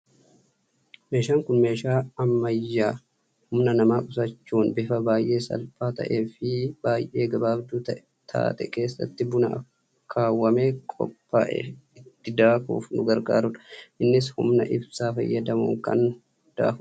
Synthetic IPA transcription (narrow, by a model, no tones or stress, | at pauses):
me̞ːʃaːŋkʊnme̞ːʃaːɐmːɐjːaː | hʊmnɐnɐmaːkʊsɐt͡ʃːuːnbɪfɐbaːjʔe̞ːsɐ̰lfaːt̪ɐ̰ʔe̞ːfɪbaːjʔe̞ːɡɐbaːbd̪uːt̪ɐʔ | t̪ʰa̰ːt̪ɛke̞ːsːɐ̰t̪ːɪbʊnɐʔɐ | kʰːaːwːɐmeːkʼɔ̰pːa̰ːʔɛ̰ɪt̪ːɪd̪aːkṵːfnʊɡɐɾɡa̰ːɾʊᶑɐ̥ʔɪnːɪshʊ̰mnɐʔɪbsaːfɐ̰jːɐd̪ɐmṵːŋkɐ̰n | d̪̥a̰ːfʊ